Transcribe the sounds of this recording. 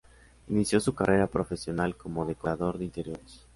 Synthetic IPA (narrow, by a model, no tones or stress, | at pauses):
inisjo̞sukarʔe̞ɾapɾo̞fe̞sjo̞nalko̞mo̞ðe̞koɾaðo̞ɾðeint̪e̞ɾjo̞ɾes